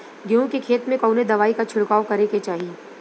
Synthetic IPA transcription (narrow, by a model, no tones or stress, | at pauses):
ɡeõkekʰeːt̪mẽkɔːʊned̪ɐʋaːikat͡ʃʰʊɽkaːwkɐɾeket͡ʃaːɦie